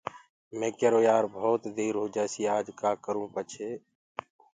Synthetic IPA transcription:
mẽːkeːɾoːjaːɾbʱoːt̪d̪eːɾɦoːd͡ʒaːsiːaːd͡ʒkaːkəɾũːpət͡ʃʰeː

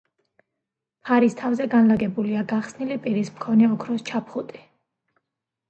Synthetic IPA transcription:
pʰaɾist̪ʰavzɛɡanlaɡɛbuliaɡaχsnilipʼiɾismkʰɔnɛɔkʰɾɔst͡ʃʰapʰχut̪ʼi̥

